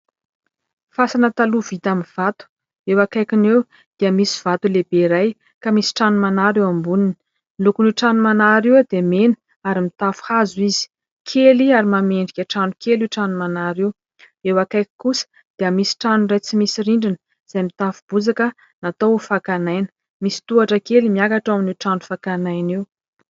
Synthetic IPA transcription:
fasanət̪aluv̥it̪amiv̥at̪u̥ | ewakajkinew | d̪̥iəmisi̥v̥at̪ulebeɾaj | kamisi̥ʈ͡ʂanumanaɾewambunin | milukuniʈ͡ʂanumanaɾiwad̪emenə̥ | aɾimit̪afu̥hazuizi̥ | kʰeliaɾimameɳɖ͡ʐikʲaʈ͡ʂanukeliʈ͡ʂanumanaɾiw | ewakajkkusə̥ | d̪̥iəmisi̥ʈ͡ʂanurajt͡simisiɾiɳɖ͡ʐinə | z̥ajmit̪afub̥ud͡zakə | nat̪owfakanajnə̥ | misi̥t̪uaʈ͡ʂəkelimiakaʈ͡ʂaminiʈ͡ʂanufakanajniw

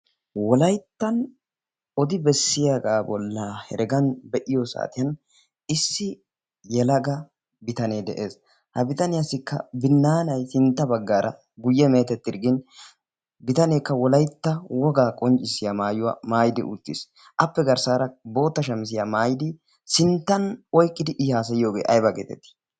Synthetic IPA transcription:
wɔlɐjt̪ːɐn | ɔd̪ɪbɛsːɪjaɡaːbɔlːɐhɛ̰ɾɛɡɐnbɛʔɪjɔsa̰ːt̪ɪjɐn | ɪsːɪ | jɛlɐɡɐ | bɪt̪ɐneːd̪ɛ̰ʔe̞ːs | hɐbɪt̪ɐnɪjasɪkːɐ̰bɪnːaːnɐjsɪnt̪ːɐbɐɡːaːɾɐ | ɡʊjːɛme̞ːt̪ɛt̪ːɪɾɡɪn | bɪt̪ɐneːkːɐwɔlɐjt̪ːɐwɔɡaːkʼɔnt͡ʃʼːɪsɪjamaːjʊwɐ̰maːjɪd̪ɪ̰ʔʊ̰t̪ːɪs | ʔɐpːɛɡɐɾsaːɾɐbo̞ːt̪ːɐʃɐmɪs̬ɪjamaːjɪd̪ɪ | sɪnt̪ːɐnɔjkʼːɪd̪ɪʔɪhaːs̬ɐjɪjo̞ːɡḛːʔɐjbɐɡeːt̪ɛt̪ːɪ̥

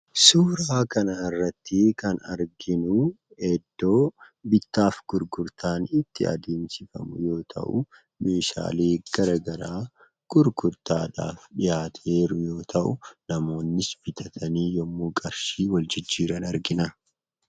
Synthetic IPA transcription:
suːɾaːkɐnɐɪrːɐt̪ːɪkɐnɐɾɡɪnʊ | ɛd̪ːo̞ː | bɪt̪ːaːfɡ̥ʊɾɡʊɾt̪aːnɪt̪ʰːɪɐ̰d̪eːnsɪfɐ̰mʊ̰jo̞ːt̪ʰɐ̰ʔʊ | meːʃa̰ːleːɡ̥ɐɾɐɡɐɾaː | ɡ̥ʊɾɡʊɾt̪aːᶑa̰ːfɗɪjaːt̪ʰeːɾʊjo̞ːt̪ʰɐʔʊnɐmo̞ːnːɪsbɪt̪ʰɐt̪ʰɐniːjɔmːuːkʼɐɾʃiːwɐld͡ʒɪd͡ʒːiːɾɐnɐɾɡɪnɐ

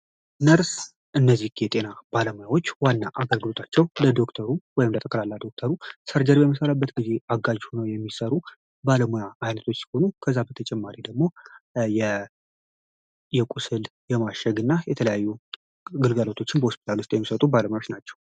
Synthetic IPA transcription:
nəɾs | ʔɨnːəzːihɡjɛt̪ʼe̞nab̥aləmojawo̞t͡ʃːwanːaʔaɡəlɡɨlo̞t̪ʰat͡ʃːɛwləd̪o̞kt̪ʰəɾuwɔjɪmlət̪ʼəkʼəlalːad̪o̞k̚t̪ʰəɾusəɾd͡ʒəɾjɛməsəlabːət̪ɡize̞aɡːad͡ʒhonəwjɛmːisəɾu | baləmojaajnət̪ʰo̞t͡ʃːsi̥ho̞nukʰəzːabət̪ʰət͡ʃʼɛmːaɾid̪əɡmo̞jɛ | jɛkʼusɨl | jɛmaʃɛɡɨnːajɛt̪ʰələjajːu | ɡɨlɡalo̞t̪ʰo̞t͡ʃːɪnbəhospʰi̥t̪ʰalust̪ʼjɛmːisət̪ʼubaləmojawot͡ʃːnat͡ʃːɛ̥w

